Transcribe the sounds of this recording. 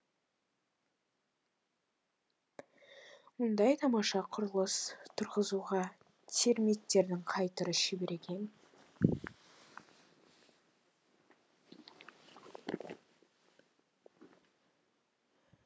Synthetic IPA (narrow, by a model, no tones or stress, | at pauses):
mʊnd̪ɑjt̪ʰɑmɑʃɑqʰʊɾəlˠəst̪ʰʊɾʁəzuʁɑ | t̪ʰe̞ɾmit̪ːe̞ɾd̪ɪŋqʰɑjt̪əɾəʒɪbe̞ɾe̞kʲʰe̞n